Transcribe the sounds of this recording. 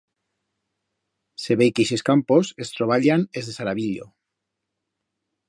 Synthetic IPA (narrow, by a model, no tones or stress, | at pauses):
seβekeʃeskamposest̪ɾoβ̞aʎanezðesaɾaβiʎo̰